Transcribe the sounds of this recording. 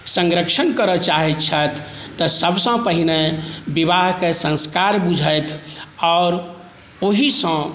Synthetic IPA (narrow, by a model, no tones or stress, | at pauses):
sə̃ŋɡɾəkʃənkəɾət͡ʃaɦɛt̪t͡ʃʰət̪ʰːɔsəbsə̃pəɦinebiβaɦkesə̃nskaɾbud͡ʒʱəjt̪ʰɔːɾ | oɦisə̃